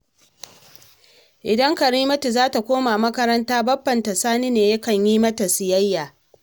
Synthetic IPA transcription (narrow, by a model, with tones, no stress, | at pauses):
ʔɪ˨dɐ˦ŋkɐ˨ɾiː˦mɐ˦tu˨zaː˦ta˨kʷoː˦maː˨mɐ˦kɐ˦ɾɐ˦ntaː˦bɐ˦bːɐ˨nta˨saː˦niː˦neː˨jɐ˦kɐ˨ɲjiː˦mɐ˦ta˨sɪ˨jɐ˦jːaː˨